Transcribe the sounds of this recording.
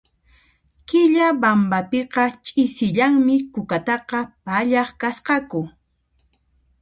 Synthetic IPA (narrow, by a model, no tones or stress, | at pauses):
kɪʎabambapeqɑt͡ʃʼɪsɪʎaŋmɪkʊkat̪ɑqɑpaʎɑχkasqɑkʊ